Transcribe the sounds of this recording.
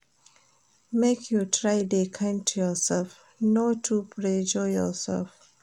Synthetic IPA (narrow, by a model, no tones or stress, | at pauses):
mekʰjutʰɹaɪdekʰãɪ̃ntʰujɔsɛlf | notʰupʰɹed͡ʒɔjɔ̰sɛ̰lf